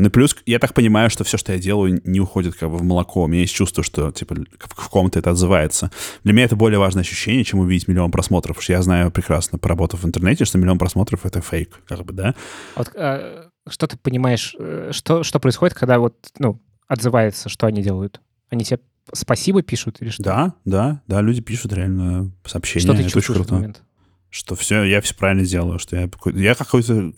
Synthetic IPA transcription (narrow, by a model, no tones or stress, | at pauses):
noplʲusjat̪ak̚pənʲɪmajʊʂt̪o̞fsʲoʂt̪ojadʲe̞lˠəjʊnʲɪʊxo̞dʲɪt̪̚kʰaɡbɨvməlˠɐkʰo̞ʊmʲɪnʲajesʲt̚ʲt͡ɕːust̪vəʂt̪o̞tʲipəfko̞mt̪əɛt̪əɐd̪zɨvajɪt̪səd̪lʲɪmʲɪnʲaɛt̪əbo̞lʲɪəvaʐnəɐɕːʉ̥ɕːenʲɪjət͡ɕemʊvʲidʲɪtʲmʲɪlʲɪo̞pɾɐsmo̞t̪ɾəfpo̥ʂt̪əjaznajʊpɾʲɪkɾasnəpəɾɐbo̞t̪ʊvɨnt̪ərnɛtʲɪʂt̪omʲɪlʲɪo̞npɾɐsmo̞t̪ɾəfɛt̪əfejkkːaɡ̚bɨd̪avot̪ə | ʂt̪ot̪ɨ̥pənʲɪmajɪʂəʂt̪o̞ʂt̪o̞pɾəɪsxodɪt̪kʰɐɡd̪avo̞t̪̚nu | ɐd̪zɨvajɪt̪səʂt̪oɐnʲidʲelˠəjʊt̪ | ɐnʲitʲɪbʲa | spɐsʲibəpʲiʂʊt̪ilʲɪʂtd̪d̪ad̪ad̪alʲʉdʲɪpʲiʂʊt̪ɾʲɪalʲnəsɐːpɕːenʲt̪oəɨɛt̪ot͡ɕkut̪ojəment̪ | ʂt̪o̞fsʲojafsʲo̥pɾavɪlʲnədʲe̞lˠəjʊʂt̪ojapkojjakɐko̞jt̪ə